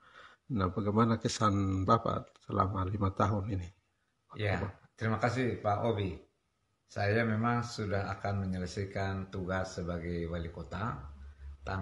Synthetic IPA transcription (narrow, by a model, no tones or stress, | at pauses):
nahbaɡamanakɛsanbapa̰səla̰malimat̪aɦunini | ajabat̪əɾimakasipaʔobi | sajamɛmaŋsudaɦa̰kanməɲələsɛkant̪uɡasːəbaɡɛjwalikɔt̪a | t̪a